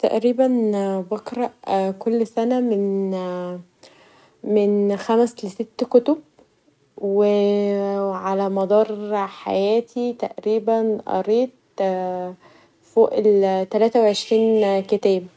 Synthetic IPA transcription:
t̪æ̰ʔɾiːbænbɑkɾˤɑʔkolːsænæmɪn | mɪnxæmsleset̪ːkot̪ob̚ | we | ʕalæmɑd̪ˤɑːɾˤħa̰jæːt̪ʰit̪æ̰ʔɾiːbænʔɑ̰ɾˤeːt̪̚ | foːʔlt̪ælæːt̪æweʕeʃɾiːnket̪æːb

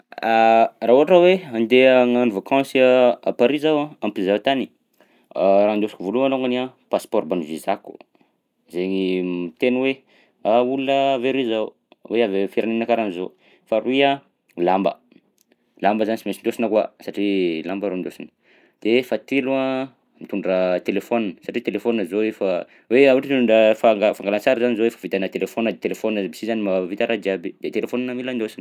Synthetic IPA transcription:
arauɦaʈ͡ʂaweand̪eaŋanivakãsa̰paɾizawãampinzat̪ani̥ | ɾand̪osi̥kivoluanoŋɡaniãpaspɔɾbanuvizaku̥ | zeɲimt̪enwe | aulunəveɾizaw | weavefiɾʔananakaɾanizo̰ | faruiã | lambə̰ | lambəzanisimensind̪josinəkwasaʈ͡ʂilambəɾond̪osinə̥ | d̪̥efat̪elua | mit̪uɳɖ͡ʐrat̪elefoninəsaʈ͡ʂit̪elefonnəzoefa | weawaʈ͡ʂiuɳɖ͡ʐəfaŋɡafaŋɡalant͡saɾizanizowefavit̪anət̪elefonəd̪et̪elefoninəbisizanimaavit̪aɾʔad̪iabid̪̥et̪elefoninamiland̪osinə

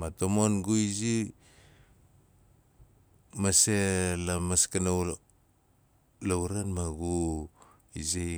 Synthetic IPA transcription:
matomonɡuizi | maselamaskana | lawɾanmaɡu | izi

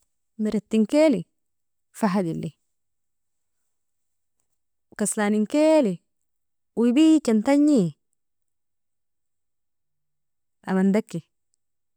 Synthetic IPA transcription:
miɾet̪ːiŋkeli | faɦad̪ilːi | kaslaniŋkeli | uibit͡ʃant̪aɲːi | ʔa̰mand̪akːi

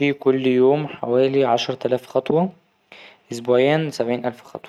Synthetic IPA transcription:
iːkʊlːjoːmħa̰wæːliʕaʃɾˤt̪ælæːfxɑt̪ˤwɑ | ʔezboæjæːnsæbʕiːnʔælfxɑ̰t̪ˤw

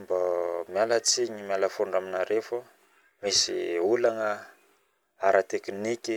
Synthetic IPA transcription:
mbamijalət͡siɲimjaləfoɳɖ͡ʐaminaɾefu | misḭulanə | aɾat̪eknikʲi

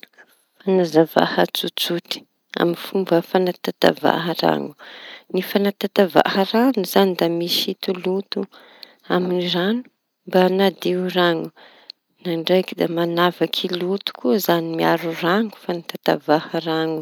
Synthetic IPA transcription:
fanazava̰hət͡sut͡suʈ͡ʂi̥ | a̰minfumbəfanat̪at̪a̰va̰ɦəra̰ŋu̥nifanat̪at̪ava̰həraŋuzanid̪amisit̪ulut̪u | aminiranu̥ | mbanad̪iuraŋu | naɳɖ͡ʐajkid̪amanavakʰilut̪u̥kuzanimiaɾuraŋu̥fanat̪at̪a̰vahəraŋu

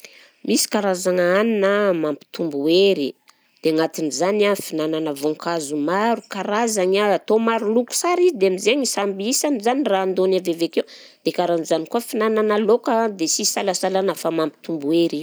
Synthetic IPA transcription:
misi̥kaɾazaŋaaninəmampi̥t̪umbueɾi | d̪̥eŋat̪inizanafinananəvoŋkazumaɾukaɾazaɲaːt̪omaɾuluku̥saɾizid̪eamizeɲisambiisanizaniraːnd̪onavevekew | d̪̥ekaɾanuzanikuafinananəlokəd̪esisalasalanafamampi̥t̪umbueɾi

